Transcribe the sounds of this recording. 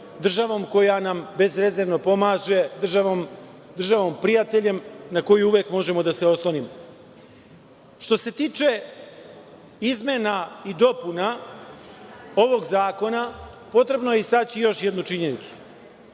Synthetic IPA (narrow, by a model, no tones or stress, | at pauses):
d̪r̩ʒaʋo̞ːmko̞janambe̞zɾe̞zeɾʋnopo̞maːʒe̞d̪r̩ʒaʋoːmd̪r̩ʒaʋo̞mpɾijat̪e̞ʎe̞mnako̞juuʋje̞kmo̞ʒe̞mo̞d̪ase̞o̞slˠonimo | ʃt̪o̞se̞t̪iːt͡ʃe̞ | izme̞naid̪o̞puna | o̞ʋo̞ɡzaːko̞na | po̞t̪ɾe̞bnoje̞ist̪aːt͡ɕijo̞ʃje̞d̪nut͡ʃiɲe̞nit̪su̥